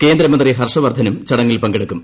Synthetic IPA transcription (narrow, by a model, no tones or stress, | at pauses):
ke̞ːnd̪ɾɐmɐnd̪riɦɐrʂɐʋɐrd̪ʱːɐnumt͡ɕɐɽɐŋːilpɐŋɡeɽɐkːum